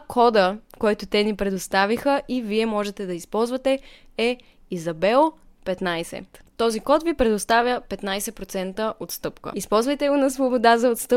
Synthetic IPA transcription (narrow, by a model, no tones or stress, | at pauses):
kʰɔd̪əkɔjt̪ʊt̪ɛnipɾɛd̪ost̪avixəʔiviɛmɔʒɛt̪ɛd̪ɐispɔlˠzvət̪ɛ | ɛ | izɐbɛlˠpɛt̪najsɛ̰t̪ɔzikɔt̪vipɾɛd̪ʊst̪avʲjəpɛt̪najsɛpɾot̪sɛnt̪əʔot̪st̪ɤpkə̰ispɔlˠzvɐjt̪ɛɡonɐsvobod̪azɐot̪st̪ɤ